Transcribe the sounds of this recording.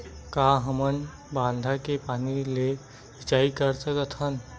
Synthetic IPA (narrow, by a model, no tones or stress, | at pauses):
kaɦəmən | bãnd̪ʱakepanile | it͡ʃaikəɾsəkət̪ʰɦən